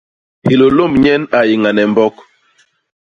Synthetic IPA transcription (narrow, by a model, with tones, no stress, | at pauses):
hi˨lo˨lo˦˨mɲɛ˦na˨ji˨ŋa˨nɛ˨mbɔ˦k